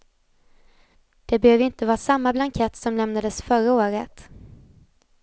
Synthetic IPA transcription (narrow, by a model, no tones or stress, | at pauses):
d̪̥ɛbɛhøːvɪnt̪əvɑːsamːablaŋkʰɛt̪sɔmlɛmnad̪əsfœɾaoːɾət̪